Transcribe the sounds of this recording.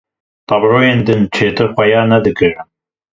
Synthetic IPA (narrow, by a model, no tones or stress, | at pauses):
t̪ɑbɾoːjeːnd̪ɨnt͡ʃʰeːt̪ɨɾxʷɐjɑːnɐd̪ɨkɨɾ